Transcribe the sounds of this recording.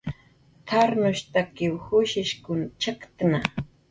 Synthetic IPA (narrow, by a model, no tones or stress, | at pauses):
t̪ʰaɾnʊʃt̪akɪwhʊʃɪʃkʊnt͡ʃakt̪na